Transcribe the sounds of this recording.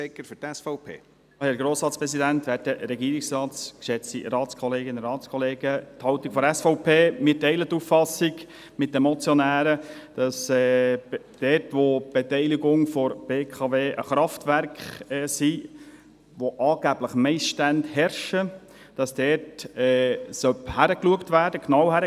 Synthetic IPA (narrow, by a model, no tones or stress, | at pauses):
ɛkːəfʏtɛsfɔʊpʰḛː | hɛɾɡɾoːsɾɑːtt͡spɾɛsidænt̪ʋæːɾdəɾɛɡiːɾɪksɾɑːtt͡skʃɛt͡stḭɾɑːt͡skʰɔleːɡɪnrɾɑːt͡skʰɔleːɡ̥ət̪hɑwt̪ikfɔdɛsfɔʊpʰeːmɪɾtɛɪlət̪ːuːffɑsɪɡ | mɪt̚dəmɔt͡sjɔnæːɾəd̥ɑsɛ | d̥ɛtʋob̥etɛɪliɡʊŋfɔɾb̥eːkʰɑveːʔə̰χɾɑftʋæɾkχɛːsi | ʋoʔɑːɡ̥æb̥ləχmɛɪsʃtændhɛɾʃə | d̥ɑsd̥ɛtɛsœphæɾəkluəktʋæːɾd̥əknɑwhæɾə